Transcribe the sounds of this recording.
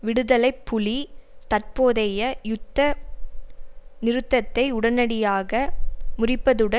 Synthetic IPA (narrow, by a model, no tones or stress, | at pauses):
ʋɪɽɯðɐlɐɪpːʊɭit̪ɐrpoːðɐjɐjʊt̪ːɐ | nɪɾɯt̪ːɐt̪ːɐɪʊɽɐnɐɽɪjaːɣɐmʊrɪpːɐðɯɽɐ